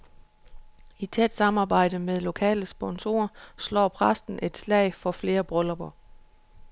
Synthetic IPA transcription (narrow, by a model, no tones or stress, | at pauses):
it͡sʰed̥sɑ̈mɑ̈ːb̥ɑ̈ɪ̰d̥əmeðˠlo̝kʰɛ̰ːləsb̥ɒ̽nso̝̰ːɐslɒ̰ːpʰʁasd̥n̩ʔe̝d̥slɛ̰ɪfɒ̽fle̝ːɐb̥ʁɔlɒb̥ɐ